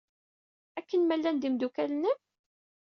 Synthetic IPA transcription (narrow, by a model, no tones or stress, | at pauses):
ækːənmælːænd̪imd̪ukælənə